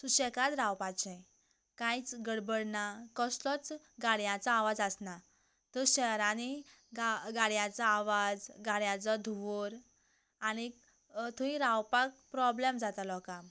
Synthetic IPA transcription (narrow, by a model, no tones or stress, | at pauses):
suɕɛkad̪ɾãwpat͡ɕɛ̃ | kãjt͡sɡəɽbəɽnakɔslɔt͡s | ɡaɽjãt͡saːʋad͡zəsna | t̪əɕɛɾãni | ɡaɡaɽjãt͡saːʋad͡zɡaɽjãt͡sɔd̪ʱuʋoɾ | añi | t̪ʰuĩɾãwpak̚pɾɔblɛmd͡zat̪alɔkam